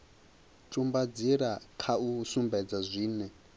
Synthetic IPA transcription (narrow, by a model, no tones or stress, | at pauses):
tʼumbad͡ziɾakʰausumbɛd͡zazʷiːnɛ